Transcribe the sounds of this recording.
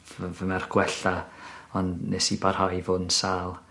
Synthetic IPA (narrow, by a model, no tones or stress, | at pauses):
vvəmarɡ̥wɛɬaɔnnɛsibarhajvʊnsaːlˠ